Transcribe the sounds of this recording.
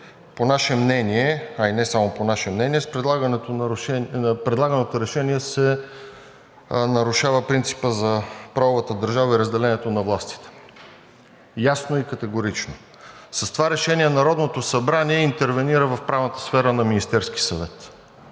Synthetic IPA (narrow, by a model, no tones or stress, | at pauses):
ponaʃɛmnɛniɛɐinɛsamoponaʃɛmnɛniɛspɾɛd̪lˠaɡənɛt̪onɾʊʃɛpɾɛd̪lˠaɡənot̪oɾɛʃɛniɛsɛ | nɐɾʊʃavəpɾint̪si̥pəzɐpɾavovət̪əd̪əɾʒavəiɾəzd̪ɛlɛnɛt̪onɐvlˠast̪i̥t̪ɛ̥ | jasnoikət̪ɛɡoɾit͡ʃno | sɐst̪ovaɾɛʃɛnʲiɛnɐɾɔd̪not̪osɐbɾaniɛint̪ɛɾvɛniɾəvɐfpɾavnət̪ə̥sfɛɾənɐminist̪ɛɾski̥sɐvɛt̪